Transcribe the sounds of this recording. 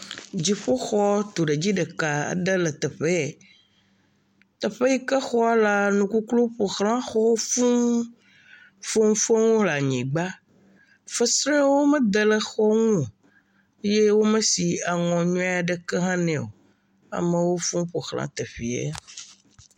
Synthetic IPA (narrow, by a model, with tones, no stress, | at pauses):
d͡ʑi˨ɸo˦xɔ˦t̪o˨ɖe˨d͡ʑi˦ɖə˨ka˨a̰˨ɖə˦lə˨t̪ɛ˨ɸe˦˨ | t̪ə˨ɸe˦ji˦kə˦xɔ˦a˦la˦nũ˨ku˦klu˦ɸo˨xlã˦xɔ˦fũ˦ | fo˦ŋũ˦fo˦ŋũ˦ɦla˨ɲĩ˨ɡ͡ba˦ | fə˦sɾɛ̃˦wo˦mẽ˦d̪ə˨lə˨xɔ˦ŋũ˦o˨ | e˦je˦wo˦mẽ˦si˨a˨ŋɔ̃˨ɲũ˦a˨ɖə˨kɛ˦ɦã˦nɛ̃˨o̰˨ | a̰˨mẽ˨wo˦fũ˦ɸo˨xlã̰˨˦t̪e˨ɸi˨ḛ˦